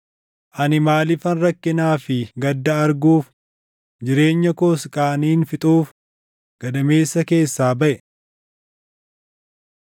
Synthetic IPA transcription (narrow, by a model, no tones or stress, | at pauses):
ʔɐnɪmaːlɪfɐnrɐkːɪnaːfɪɡɐd̪ːɐːɾɡuːf | d͡ʒɪɾe̞ːɲːɐkoːskʼaːniːnfɪt̪ʼuːf | ɡ̥ɐd̪ɐme̞ːsːɐke̞ːsːaːbɐʔɛ